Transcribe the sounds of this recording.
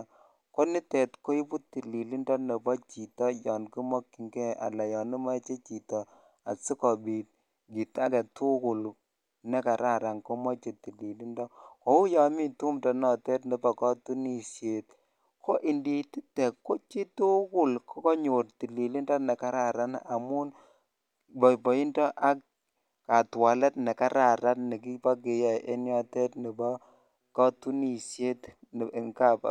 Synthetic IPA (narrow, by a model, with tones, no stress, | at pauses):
ko˦ni˦tɛ˨tko˦i˦pu˦ti˨li˨li˦ndɔ˦ne˨pɔ˦t͡ʃi˨tɔ˦jɔ˨nki˦mɔ˦kːi˨ŋɡɛ˦a̰˨la˨jɔ˨nu˦ma˦t͡ʃe˦t͡ʃi˨tɔ˨ | a̰˨si˦kɔ˨bi˨t̚ | ɡi˨ta˦kɛ˨tu˦ku˨l | nɛ˦ka˨ɾa˦˨ɾa˨ŋko˦mɔ˦t͡ʃe˨ti˨li˨li˦ndɔ˦ko˨˦u˦ja˦mi˦tu˦mdɔ˨nɔ˨tɛ˦tnɛ˨pa˨kɔ˦tu˦ni˦sje˨t̚ | kʰo˦ʔi˨ndi˨ti˦tɛ˨ko˦t͡ʃi˦tu˦kʊ˦˨lkɔ˦kɔ˦ɲo˨rti˨li˨li˦ndɔ˦nɛ˨ka˦ɾa˨ɾa˦na˨mu˦n | bɔ˨pɔ˨i˦ndɔ˦ʔa˦k̚ | ka˨twa˨lɛ˦tnɛ˨ka˦ɾa˨ɾa˦tnɛ˨k̬i˦pa˦k̬ɪ˨jɛ˨ʔe˦njɔ˦tɛ˦tnɪ˨ba˦ | kɔ˦tu˦ni˨sje˦tŋka˦˨p